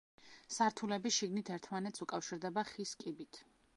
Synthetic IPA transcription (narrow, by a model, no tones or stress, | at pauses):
saɾt̪ʰulɛbisʃiɡnit̪ʰɛɾt̪ʰmanɛt̪sʰukʼafʃiɾd̪ɛbaχiskʼibit̪ʰ